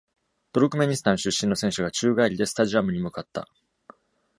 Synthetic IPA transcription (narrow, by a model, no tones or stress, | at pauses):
t̪o̞ɾɯkɯ̟me̞ɲ̟isɨ̥t̪ãɰ̃ɕɨɕːĩno̞sẽɕɨɡat͡ɕɨːɡaiɾʲid̪e̞sɨ̥t̪aʑiamɯ̟ɲ̟imɯ̟kat̪ːa̰